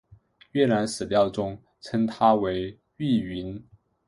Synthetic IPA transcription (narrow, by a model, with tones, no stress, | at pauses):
ɥɛ˥˩na˧˥nsɹ̩˨˩ljɑ˥˩ʊʈ͡ʂʊ˥ŋ | t͡sʰə˥nt̪ʰa˥we˧˥ɪ | y˥˩i˧˥n